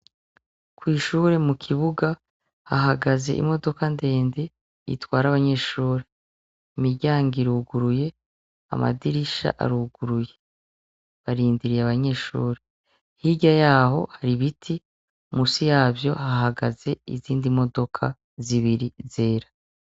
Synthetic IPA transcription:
kwiːʃuɾe̞mukʰiβuɡa | haɦaɡaze̞̰ʔḭmo̞do̞kande̞ːnde̞ | ḭtwaːɾaβaɲe̞ːʃuːɾe | imiɟaːŋɡiɾuɡuɾuje̞ | a̰ma̰diɾiʃa̰ʔa̰ɾuːɡ̥uɾuje̞ | βaɾiːndiɾijaβaɲe̞ːʃṵːɾe | hiɟajaːɦo̞̰haɾiβitʰi | musijaːbjo̞hahaɡa̰ze̞ḭziːndimo̞do̞kʰa̰ | ziβiɾize̞ːɾa

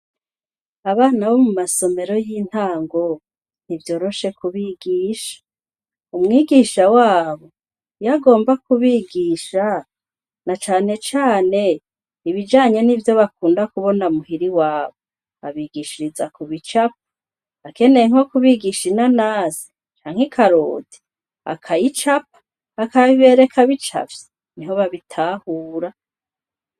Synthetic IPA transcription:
aβaːnaβomumaso̞me̞ɾo̞jiːn̥haːŋɡo̞ | n̥ivjo̞ːɾo̞ʃe̞kuβiɡiːʃḁ | umŋiːɡiʃawaːβo̞ | jaɡo̞ːmbakuβiɡiːʃa | nat͡ʃaːne̞t͡ʃaːne̞ | iβid͡ʒaːɲe̞nivjo̞βakuːndakuβo̞namuhiɾiwaːβo | aβiɡiʃiɾizakuβit͡ʃap̚ḁ | ake̞ne̞jŋ̥o̞kuβiɡiʃinanaːzi̥ | t͡ʃaːŋ̥ikʰaɾo̰ːdi̥ | a̰kʰajit͡ʃap̚ḁː | kaβiβe̞ːɾe̞kaβit͡ʃa̰vje | niɦo̞βaβitʰaːhuːɾa

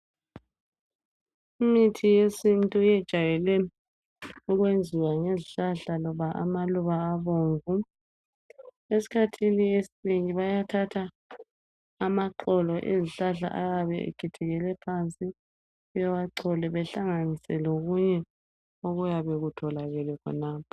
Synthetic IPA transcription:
imitʰijesintʼujɛd̥ʒ̥ʱajɛlɛ | uɣwend͡zʱiwaŋeziɬaɮalɔβaʔa̰maluβaːβoːɱvu | esi̥kʰatʰiniesineŋiβajatʰatʰa | maǃɔlɔʔḛziɬaɮa̰ʔaɣaβɛ̰ḛkʰitʰɛɣɛlɛpʰant͡sʼi | ɛwaǀʰɔlɛβɛɬaŋanisɛloɣuɲɛ | oɣujaβɛɣutʰɔlaɣɛlɛkʰɔ̰naːp̚ʰɔ̥

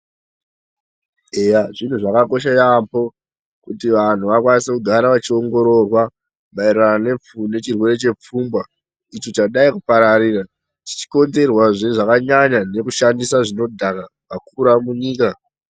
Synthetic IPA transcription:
ejaʐin̤uʐakako̞ʃajampo̞ | kutiʋan̤uʋakwanisekuɡʱaɾaʋat͡ʃio̞ŋɡo̞ɾo̞rwa | maiɾanane̞p͡fune̞t͡ʃirwe̞ɾe̞t͡ʃe̞p͡fuːmbwa | it͡ʃot͡ʃaɗaikupaɾaɾiːra | ti̥t͡ʃi̥ko̞nze̞rwaʐeʐakaɲaɲane̞kuʃandisaʐino̞dʱaka | makuɾamuɲiːka

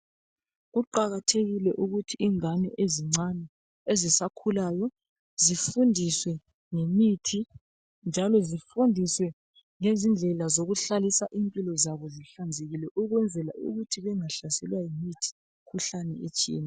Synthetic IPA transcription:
ɣuǃaɣatʰeɣilɛʔuɣutʰiiŋanɛ̰ʔeziŋ͡ǀanɛ | ezisakʰulaːjɔ | zifundʱiswɛ | ŋemitʰi | nd͡ʒʱalɔzifundʱiswɛ | ŋezind͡ɮʱɛlazoɣuɬalisaʔimpʼilɔzaβɔziɬand͡zʱeɣilɛʔuɣwɛnd͡zʱɛla̰ṵɣutʰiβɛŋaɬasɛlwajimitʰi̥ | kʰuɬanɛet͡ʃʼḭːna

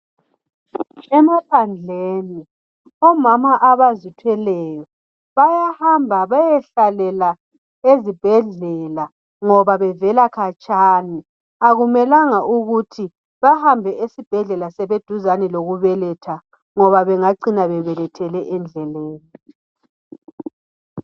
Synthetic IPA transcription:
ɛmapʰand͡ɮʱeːni | ɔmamaʔaβazitʰwɛlɛjɔ | βajahambʱaβajɛɬalɛla | ezib̥ʱɛɮɛla | ŋɔβaβɛvɛlakʰat͡ʃʼaːni | aɣumɛlaŋaʔuɣutʰi | βahambʱɛʔesib̥ʱɛɮɛlasɛβed̥ʱuzanɛloɣuβɛlɛtʰa | ŋɔβaβɛŋaǀinaβɛβɛlɛtʰɛlɛʔɛnd͡ɮʱɛleːni

